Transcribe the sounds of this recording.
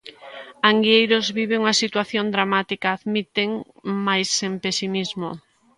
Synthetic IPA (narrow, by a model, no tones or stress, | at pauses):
aŋɡiejɾozβiβeŋuŋasit̪waθjond̪ɾamat̪ikaːðmit̪eŋmajsempesimizmo̰